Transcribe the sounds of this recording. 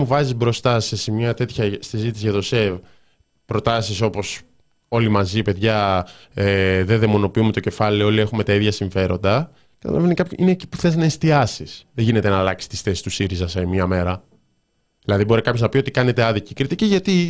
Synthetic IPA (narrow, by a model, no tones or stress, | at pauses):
muvɐzizbɾo̞st̪ɐsesimɲɐt̪e̞t̪çɐsizit̪isiʝɐt̪o̞sev | pɾo̞t̪ɐsiso̞po̞s | o̞limɐzipe̞ðʝɐeðeðemo̞no̞piumet̪o̞ce̞fɐlio̞lie̞xume̞t̪ɐiðʝɐsiɱfe̞ɾo̞nd̪ɐ | kɐt̪ɐ̰lɐ̰venikɐpçoʔineːci̥puθe̞znɐest̪iɐsisðeʝine̞t̪e̞nɐːlɐksi̥st̪i̥sθe̞si̥st̪usiɾizɐsɐmiɐme̞ɾɐ | ðilɐðibo̞ɾikɐpço̞znɐpiso̞t̪i̥kɐne̞t̪eɐðicikɾit̪iciʝɐt̪i